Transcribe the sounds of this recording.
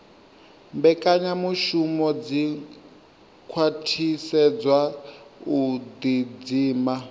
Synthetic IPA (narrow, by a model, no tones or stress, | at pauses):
mbɛkʼaɲamuʃumɔd͡zi | kʰwatʰisɛd͡zwaud̪id͡ziːma